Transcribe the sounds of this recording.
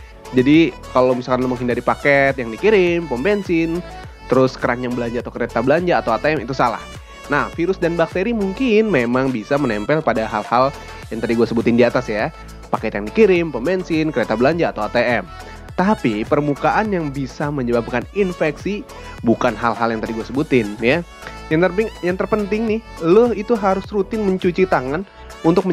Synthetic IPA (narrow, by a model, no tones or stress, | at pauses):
d͡ʒadikalowmisakanləməŋɦindaɾipakɛt̪jaŋdikiɾɪmpɔmbɛnsɪn | t̪əɾʊskəɾaɲjaŋbəlaɲd͡ʒaːt̪awkəɾet̪abəlaɲd͡ʒaːt̪awat̪eɛmit̪usala̰h | nahfiɾʊsdanbak̚t̪eɾimuŋkɪnmemaŋbisamənɛmpɛlpadaɦalhal | jaŋt̪adiɡuasəbʊt̪ɪndiat̪asja | pakat̪jaŋdikiɾɪmpəmbɛnsɪnkəɾet̪abəlaɲd͡ʒaːt̪awat̪eɛm | t̪apipərmukaʔanjaŋbisaməɲəbap̚kaninfɛksi | bukanɦalɦaljaŋt̪adiɡuasəbut̪ɪnja | jaŋt̪ərbɪŋjaŋt̪ərpənt̪ɪŋnɪhləhit̪uɦaɾʊsrut̪ɪnməɲt͡ʃut͡ʃit̪aŋan | unt̪ʊk̚mə